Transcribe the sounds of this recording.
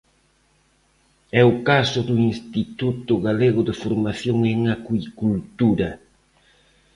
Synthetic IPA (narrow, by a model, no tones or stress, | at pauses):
ɛʊkasʊðʊinst̪it̪ut̪ʊɣaleɣʊðɪfoɾmaθjoŋeŋakuikult̪uɾɐ